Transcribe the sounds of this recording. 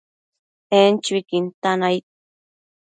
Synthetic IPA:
ent͡ʃuikint̪anajt̪̚

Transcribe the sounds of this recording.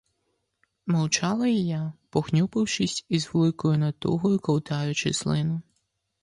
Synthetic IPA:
mɔwt͡ʃɑlˠɐjijapɔxnʲupɪwʃɪsʲizʋlˠɪkɔjʊnɐt̪ṵɦɔjʊkɔwt̪ɑjʊt͡ʃɪslˠɪnʊ

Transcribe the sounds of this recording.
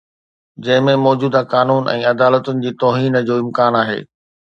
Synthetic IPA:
d͡ʑɐ̃ɦɪ̃mẽmɔːd͡ʑuːd̪akaːnuːnɛ̰̃ːɐd̪aːlət̪ʊnɪ̆d͡ʑiːt̪ɔːɦiːnd͡ʑoːɪ̃mkaːnaːɦḛː

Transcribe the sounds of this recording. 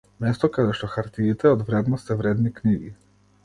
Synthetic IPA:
mɛst̪ɔkad̪ɛʃt̪ɔxaɾt̪iːt̪ɛɔd̪vɾɛd̪nɔst̪ɛvɾɛd̪nikniɡi

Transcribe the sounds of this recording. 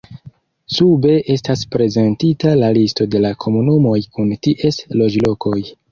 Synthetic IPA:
sube̞ʔe̞staspɾe̞ze̞ntitalalisto̞de̞lakʰo̞munumo̞jkuntiʔe̞slo̞d͡ʒlo̞kʰo̞j

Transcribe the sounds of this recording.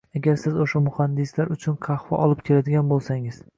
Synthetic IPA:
aɡʲaɾsɪzoʃamʊhand̪ɪslaɾʊt͡ʃʰʊnqʰɑhvɒʔɒlɪp̚kʲʰe̞lad̪ɪɡʲanbolˠsaŋɪz̥

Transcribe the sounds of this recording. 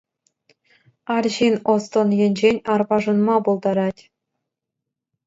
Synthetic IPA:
ɑrʲʑinost̪ŏnjĕnʲd͡ʑenʲɑrbɑʐɤ̆nmɑbolˠd̪ɑɾɑtʲ

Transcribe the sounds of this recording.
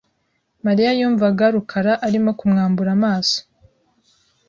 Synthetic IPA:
maɾijajuːɱvaɡaɾukʰaɾaʔaɾimokumŋaːmbuɾamaːso̥

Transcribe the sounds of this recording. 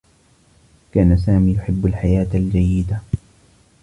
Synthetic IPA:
kaːnas̬aːmiːjʊħɪbːalħajaːt̪ald͡ʒajːɪd̪a

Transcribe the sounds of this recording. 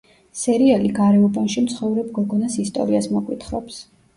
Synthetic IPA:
sɛɾialiɡaɾɛɔbanʃimt̪sʰχɔvɾɛbɡɔɡɔnasist̪ʼɔ̰ɾiasmɔkʼwit̪ʰχɾɔps

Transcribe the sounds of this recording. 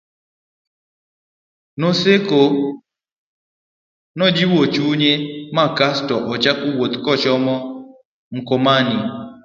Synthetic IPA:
noseko | nɔd͡ʒiwot͡ʃuɲemakastɔʔɔt͡ʃakuwot̪kɔt͡ʃɔmɔ | ŋ̩komani

